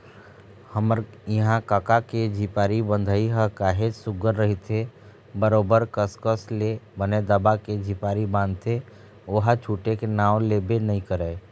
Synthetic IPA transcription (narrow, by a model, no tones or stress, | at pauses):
həməɾiɦãkakaked͡ʒʱipaːɾibə̃nd̪ʱiɦəkaːɦesʊɡəɾːəɦit̪ʰe | bəɾoːbəɾkəskəslebəned̪əbaked͡ʒʱipaːɾibãːnd̪t̪ʰe | oɦat͡ʃʰuːʈekenaːwlebenəɦĩkəɾɛː